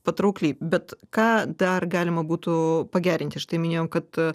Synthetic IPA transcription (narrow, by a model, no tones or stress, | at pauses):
pɐt̪ɾuklʲibʲɛt̪kɑːd̪ɐrɡɑːlʲɪmɐbuːt̪ʊpɐɡʲæːɾʲɪnʲt̪ʲɪʃt̪ɐɪmʲɪnʲeːjomkɐt̪